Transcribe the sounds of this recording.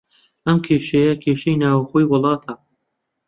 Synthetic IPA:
ʔɐmkʰeːʃɐjɐkʰeːʃɐjnaːwɐxoːjwʊlˠɑːt̪ʰɐ

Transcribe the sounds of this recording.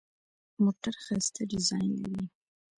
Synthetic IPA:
moʈaɾxast̪ʰaɖɪzɑjnla̰ɾi

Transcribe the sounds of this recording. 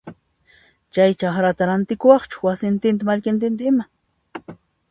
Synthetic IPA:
t͡ʃajt͡ʃaχɾat̪aɾant̪ɪkʊwɑχt͡ʃʊ̥wasɪnt̪ɪnt̪̬amaʎkɪnt̪̬ɪnt̪̬aɪma

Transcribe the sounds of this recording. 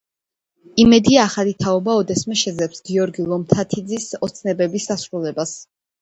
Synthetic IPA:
imɛd̪iaːχalit̪ʰaɔbaɔd̪ɛsmɛʃɛd̪zɛpsɡiɔɾɡilˠɔmt̪ʰat̪ʰid̪zisɔt̪sʰnɛbɛbisːasɾulɛbas

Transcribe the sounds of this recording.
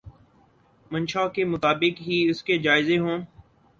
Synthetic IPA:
mə̃nʃaːkemʊt̪aːbɪkɦiːʊsked͡ʒaːɪzeɦõː

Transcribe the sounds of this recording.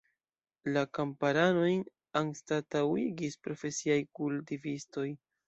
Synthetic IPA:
lakampaɾano̞jn | anstatawiɡispɾo̞fe̞siajkultivisto̞j

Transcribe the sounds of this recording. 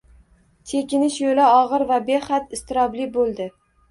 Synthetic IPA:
t͡ʃ̪ʰe̞kʲɪnɪʃjolaɒʁɨɾvabe̞χat̪ɪst̪ɪɾɒblɪbolˠd̪ɪ

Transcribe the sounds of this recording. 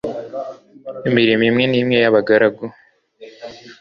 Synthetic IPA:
imiɾimimŋe̞niːmŋe̞jaβaɡaɾaɡo

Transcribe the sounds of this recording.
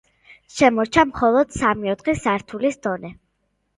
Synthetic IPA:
ʃɛmɔɾt͡ʃʰamχɔlˠɔd̪̥samiɔt̪χisaɾt̪ʰulisd̪̥ɔnɛ

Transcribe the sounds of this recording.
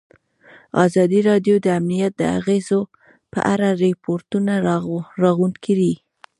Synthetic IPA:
ɑzɑd̪iɾɑdjod̪əamnijat̪̚d̪əa̰ɣezo | pə̰ʔaɾaɾepʰoɾtunaɾɑɣunkʰid̪i

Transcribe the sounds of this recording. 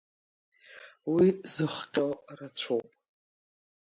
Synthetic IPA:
wizɨχʷqʲʼorat͡ɕʷʰowpʼ

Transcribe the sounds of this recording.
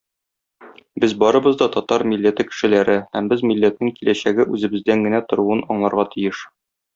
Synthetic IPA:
bɘzbɒɾɤ̆bɤzd̪ɒt̪ɒt̪ɑɾmilːæt̪ɘkɘ̥̆ʃɘ̆læɾɘhæmbɘzmilːæt̪̚nɘŋkilʔæɕæɡɘʔʉzɘ̆bɘ̆zd̪æŋɡɘ̆næt̪ŏɾuɤnɒɴlˠɑɾʁɑt̪ʰijɘʃ

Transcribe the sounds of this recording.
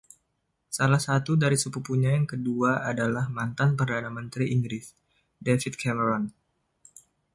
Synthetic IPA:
salahsat̪udaɾisəpupuɲajaŋkəduaʔadalahmant̪anpərdanamənt̪ɾiʔiŋɡɾɪs | defit̪̚kʰɛməɾɔn

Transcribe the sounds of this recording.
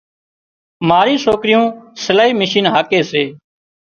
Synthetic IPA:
maːɾĩːsoːkɾɪjõːsəlaːɦiːməʃiːnɦaːkeːseː

